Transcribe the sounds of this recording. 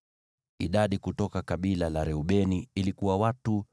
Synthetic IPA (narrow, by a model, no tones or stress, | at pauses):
ḭɗaɗikutɔkakaɓilalaɾɛuɓɛniilikuwawatu